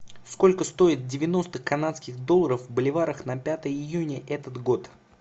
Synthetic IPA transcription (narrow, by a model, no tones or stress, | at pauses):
sko̞lʲkəst̪o̞ɪt̪̚dʲɪvʲɪno̞st̪əkɐnat̪skʲɪɣd̪o̞lˠəɾəfvbəlʲɪvaɾəxnɐpʲat̪əjəɪjunʲəʔɛt̪ət̪ɡo̞t̪